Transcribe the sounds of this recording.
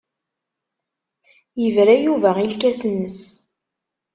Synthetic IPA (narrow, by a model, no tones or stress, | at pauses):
jəvɾæjuvæilkæsənːəs